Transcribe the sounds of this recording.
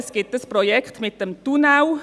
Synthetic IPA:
sɡ̥ɪtəsprojɛkʰt̪mɪt̪̚d̥əmt̪unaw

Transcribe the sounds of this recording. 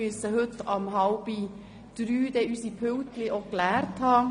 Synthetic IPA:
yəsəhɵt̪ɑmɦɑwb̥i | d̪̥ɾyːd̥̪ɛʔysipʰʏwt̪lɪʔoklæːɾthɑː

